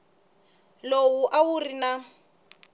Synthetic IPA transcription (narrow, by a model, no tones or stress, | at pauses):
lowuʔawurina